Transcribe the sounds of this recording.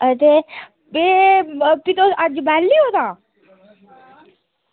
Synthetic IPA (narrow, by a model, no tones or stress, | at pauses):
ət̪e | be | t̪it̪oad͡ʒbalːiɦot̪ãː